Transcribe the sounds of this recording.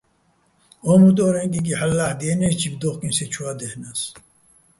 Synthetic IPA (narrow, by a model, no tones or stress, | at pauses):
onut̪̬oːɾeŋkik̬iħalːaħd̪ienet͡ɕʰibd̪oχkinset͡ʃʰuad̪ehnas